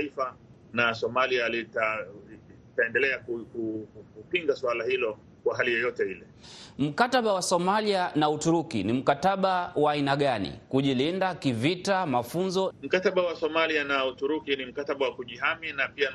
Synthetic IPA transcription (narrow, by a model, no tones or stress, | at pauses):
ifa | nasɔmalialita | taɛndɛlɛakukukkupiŋɡaswalahilɔ | kwaɦalijɔjɔtɛhilɛ | m̩kataɓawasɔmalianautuɾukinim̩kataɓawaːinaɠanḭkuʄilindakivitamafunzɔm̩kataɓawasɔmalianautuɾukinim̩kataɓawakuʄiɦaminapia